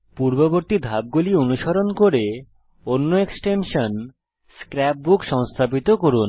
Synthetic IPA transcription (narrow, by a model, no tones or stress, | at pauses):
puɾboboɾt̪id̪ʱab̚ɡulionuʃaɾonkoɾe | onːoeksʈenʃon | skɾɛp̚bukʃɔŋst̪ʰapit̪okoɾun